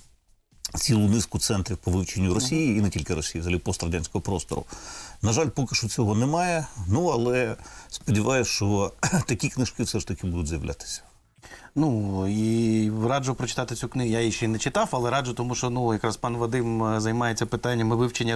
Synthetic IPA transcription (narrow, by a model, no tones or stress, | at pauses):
sʲilˠʊnɪskʊt̪sɛnt̪ɾʲiwpɔʋɪwt͡ʃenʲːʊrɔsʲijiːnɛtʲilʲkɪɾɔsʲijizɦɐlʲipɔst̪rɐdʲanʲsʲkɔɦɔpɾɔst̪ɔ̰ɾʊ̰nɐʒɑlʲpɔkɪʃt͡ʃɔt͡sʲɔɦɔnɛmɑjɛnuɐlˠɛspɔdʲiʋɑjʊsʲt͡ʃɔt̪ɐkʲiknɪʃkɪfsɛʃt̪ɐkʲɪbud̪ʊdʲzʲjɐʋlʲʔa̰t̪ɪ̥sʲɐ̥ | nuiɾɑd͡ʒʊpɾɔt͡ʃɪ̥t̪ɑt̪ɪt͡sʲuknɪɦʊjajiʃt͡ʃeinɛt͡ʃɪt̪ɑwɐlˠɛɾɑd͡ʒʊt̪ɔmuʃt͡ʃɔnujɐkɾaspɑnʋɐd̪ɪmzɐjmɑjet͡sʲːɐpɪt̪anʲːɐmɪʋɪwt͡ʃenʲːɐ